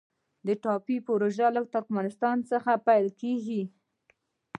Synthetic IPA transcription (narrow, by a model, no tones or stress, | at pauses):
d̪əʈɑpipoɾoʒalət̪ʊɾkmɑnɪst̪ɑnt͡səxapajlkeɡi